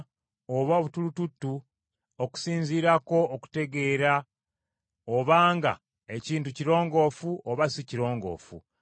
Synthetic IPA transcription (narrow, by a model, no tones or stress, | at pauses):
oβaoβutulututːu | oku̥siːɲziːɾako̞ːku̥te̞ɡe̞ːɾa | oβaːŋɡa̰ | e̞ciːntuciɾo̞ːŋɡo̞ːfuʔoβasiciɾo̞ːŋɡo̞̰ːfṵ